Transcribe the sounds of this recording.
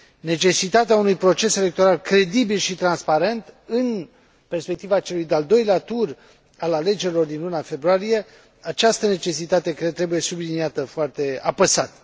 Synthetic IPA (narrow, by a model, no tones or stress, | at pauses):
ne̞t͡ʃe̞sit̪at̪eaunujpɾo̞t͡ʃe̞se̞le̞k̚t̪o̞ɾalkɾe̞d̪ibilʃit̪ɾanspaɾe̞nt̪ɨn | pe̞rspe̞k̚t̪ivat͡ʃe̞lujd̪eald̪o̞jleat̪ur | alale̞d͡ʒe̞ɾilo̞rd̪inlunafe̞bɾuaɾije̞ | at͡ʃast̪əne̞t͡ʃe̞sit̪at̪e̞kt̪ɾe̞buje̞subliniat̪əfoart̪e̞a̰pəsat̪